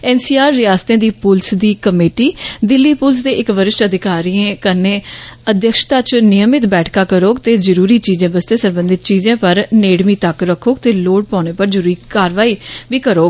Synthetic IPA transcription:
ɛːnsiːaːɾːɪjaːst̪ẽːd̪iːpʊlsd̪iːkəmeːʈiːd̪ɪlːiːpʊls̬d̪eːʔɪkʋəɾɪʃʈəd̪ɪkaːɾiːẽːkənẽːəd̪jəkʃt̪aːt͡ʃnɪjəmɪt̪bɛːʈʰkaːkəɾoːɡt̪eːzəɾuːɾiːt͡ʃiːzẽːbəst̪eːsəɾbə̃nd̪ɪt̪̚t͡ʃiːzẽːpəɾneːɽmĩːt̪əkɾəkʰoːɡt̪eːloːʈ̚pãːñeːpəɾzəɾuːɾiːkaːɾʋaːiːʋiːkəɾoːɡ

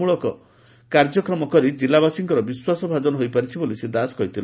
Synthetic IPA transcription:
uɭɔkɔ | kaɾd͡ʒɔkɾɔmɔkɔɾid͡ʒilabasiŋkɔɾɔbiswasɔbʱad͡ʒɔnɔɦojpaɾit͡ʃʰibolised̪asɔ̥kɔit̪ʰil

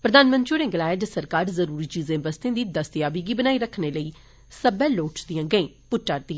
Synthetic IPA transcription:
pɾəd̪aːnmə̃nt̪t͡ʃoːnẽːɡəlaːjeːd͡ʒ̪əsəɾkaːɾzəɾuːɾiːd͡ʒiːzẽːbəst̪ẽːd̪iːd̪əst̪jaːbiːɡiːbənaːiːɾəkʰneːləiː | səbɛːloːʈsd̪ijãːɡəẽː | pʊʈːaːɾd̪iː

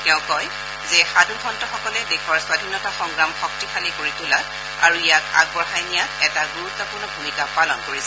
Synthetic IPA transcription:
tɛʊ̃kɔj | zɛxadʱukʰɔntɔxɔkɔlɛdexɔɹswadʱinɔtaxɔŋɡɹamxɔk̚tixalikoɹitʰulat̚ | a̰ɹuijaka̰ɡ̚pɔɦajnijaɛtaɡuɹutːɔpʊɹnɔbʱumikapalɔnkoɹiza

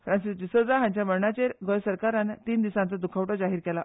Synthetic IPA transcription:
fɾãnsisd͡ʑisəɾd͡zaɦãɲt͡ɕjaməɭɳat͡ɕeɾɡɔjsəɾkaɾanːt̪iːnd̪isãnt͡səd̪ukʰaʋʈɔd͡zaɦiːɾkɛla

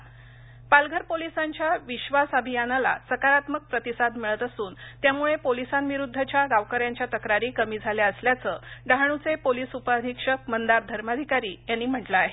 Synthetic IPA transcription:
palɡʱəɾpolisaɲt͡ɕjaʋiɕʋasabʱijanala̰səkaɾat̪mək̚pɾət̪isad̪miɭət̪əsuːnt̪jamuɭepolisanʋiɾud̪ʱːət͡ɕjaɡaʋkəɾjaɲt͡ɕjat̪əkɾaɾiːkəmiːd͡zʱaljaəsljat͡səɖaɦɳ̃ut͡sepolisupəd̪ʱikʂək̚mənd̪aɾ̚d̪ʱəɾmad̪ʱikaɾiːjanːiːm̤əʈlaːɦe

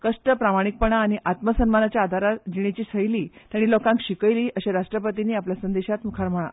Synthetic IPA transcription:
kəʂʈəpɾamaɽ̃ik̚pəɳ̃aːɽ̃iʔat̪məsənmanat͡ɕjaːd̪ʱaɾat̪d͡ʑiɽ̃it͡ɕiːsəjliːtt̪jaɽ̃iːlɔkãŋkɕikəjliːʔəɕeɾaʂʈɾəpət̪iniːapljasənd̪eɕat̪mukʰaɾm̤əɭa̰

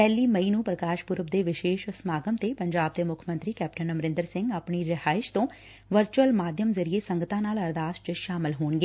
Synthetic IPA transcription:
pɛːliːməiːnũːpɾəkaːʃɡʊɾəp̚d̪eːʋɪʃeːʃsəmaːɡəmt̪eːpəɲd͡ʒaːb̚d̪eːmʊkʰmə̃nt̪ɾiːkɛːp̚ʈənəmɾɪ̃nd̪əɾsɪ̃ŋɡaːpɳiːɾɪhaːɪʃt̪õː | ʋəɾt͡ʃuəlmaːd̪ʱjəmzəɾieːsəŋɡət̪ãːnaːləɾd̪aːsʈt͡ʃəʃaːmɪlɦoːɳɡeː

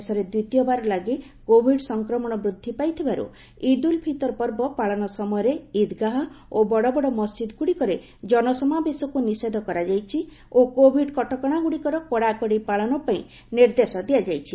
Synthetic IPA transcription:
sɔɾed̪it̪jɔbaɾɔlaɡi | kobʱiɖsɔŋkɾɔmɔɽ̃ɔbɾud̪ʱːipajt̪ʰibaɾṵ | id̪ulbʱit̪ɔɾpɔɾbɔpaɭɔnɔsɔmɔjɔɾeid̪ɡaɦɔobɔɽɔbɔɽɔmɔsd͡ʒid̪ɔɡuɽikɔɾe | d͡ʒɔnɔsɔmabesɔkunised̪ʱɔkɔɾad͡ʒajt͡ʃʰi | okobʱiɖkɔʈɔkɔɽ̃aɡuɽikɔɾɔkɔɽakɔɽipaɭɔnɔpaĩ | niɾd̪esɔd̪iad͡ʒajt͡ʃʰi

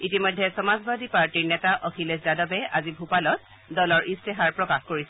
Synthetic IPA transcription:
itimɔjdʱːɛsɔmazbad̪ipaɹtiɹnɛtaʔɔkʰilesdadɔbɛazibʱupalɔt̚ | dɔlɔɹʔistɛɦaɹpɹɔkaxkoɹisɛ

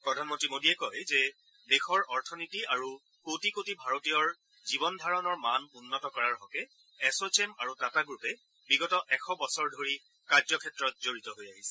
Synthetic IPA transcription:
pɹɔdʱanmɔntɹimodiɛkɔjzɛ | dexɔɹɔɹtʰɔnitiaɹu | kotikotibʱaɹotijɔɹ | zibɔndʱaɹɔnɔɹmanunːɔtɔkɔɹaɹɦɔkɛː | sot͡ʃemaɹutataɡɹupɛ | biɡɔtɔʔɛxʰɔbɔsɔɹdʱoɹi | kaɹzɔkʰɛtɹɔt̚zoɹitɔɦojaɦisɛ̥

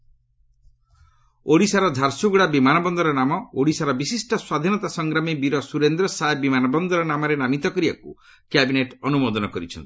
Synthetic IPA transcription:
oɽisaɾɔd̪ʱaɾsuɡuɽabimanɔbɔnd̪ɔɾɔnamɔoɽisaɾɔbisisʈɔswad̪ʱinɔt̪asɔŋɡɾamibiɾɔsuɾend̪ɾɔsaebimanɔbɔnd̪ɔɾɔnamɔɾenamit̪ɔkɔɾiba̰ku | kjabineʈɔnumod̪ɔnɔkɔɾit͡ʃʰɔ̰nt̪i

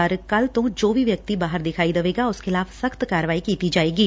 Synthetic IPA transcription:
əɾkəlt̪õːd͡ʒoːʋiːʋjək̚t̪iːbaːɦəɾd̪ɪkʰaːid̪əʋeːɡaʊskɪlaːʋsəxt̪kaːɾəʋaːikiːt̪id͡ʒaːeːɡiː

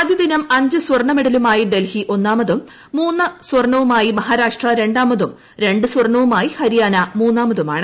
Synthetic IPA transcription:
ɐd̪jid̪inɐmɐɲd͡ʑɨswɐrɳɐmiɽɐlumaːjiɖe̞lhiʔo̞nːaːmɐðumː | uːnːɨswɐrɳɐʋumaːjimɐɦaːɾaːʂʈrɐɾe̞ɳɖaːmɐðum | ɾe̞ɳɖɨswɐrɳɐʋumaːjihɐɾijaːnɐmuːnːaːmɐðuma̰ːɳɨ

